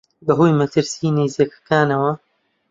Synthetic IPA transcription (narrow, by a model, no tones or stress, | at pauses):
bɐɦujmɐt̪ʰɨɾsiːnezikɐ̥kaːnɐwɐ